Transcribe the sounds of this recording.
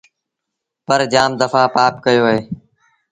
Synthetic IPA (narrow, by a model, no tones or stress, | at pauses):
pəɾd͡ʒaːmd̪əfaːpaːpkəjoːɦeː